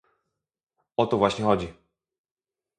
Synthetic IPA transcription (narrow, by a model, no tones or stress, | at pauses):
ɔt̪ɔvwaɕɲɛxɔd͡ʑi